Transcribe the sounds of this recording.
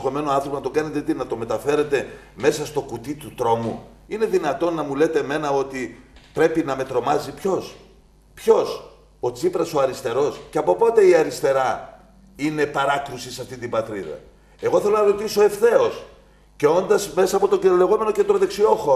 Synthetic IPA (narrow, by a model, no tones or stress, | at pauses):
xo̞me̞noɐnθoponɐt̪o̞ɡɐne̞t̪et̪inɐt̪ome̞t̪ɐfe̞ɾe̞t̪e̞ | me̞sɐst̪o̞kut̪it̪ut̪ɾo̞mṵ | ine̞ðinɐt̪o̞nːɐmule̞t̪e̞me̞nɐo̞t̪ipɾe̞pinɐme̞t̪ɾo̞mɐzipço̞s | pço̞s | ot͡sipɾɐsoɐɾist̪e̞ɾo̞sceɐpo̞po̞t̪e̞iɐɾist̪e̞ɾɐ | ine̞pɐɾɐkɾusisɐft̪int̪ibɐt̪ɾiðɐ̰ | e̞ɣo̞θe̞lo̞nɐɾo̞t̪iso̞e̞fθe̞o̞s | ce̞o̞nd̪ɐzme̞sɐːpo̞t̪oele̞ɣo̞me̞nocent̪ɾoðe̞ksio̞xo